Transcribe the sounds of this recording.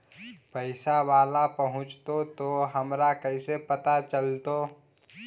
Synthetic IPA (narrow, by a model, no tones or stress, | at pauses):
pəɪsaʋaːlapəɦʊ̃t͡ʃt̪ot̪oɦəmɾakəɪsepət̪at͡ʃəlt̪oː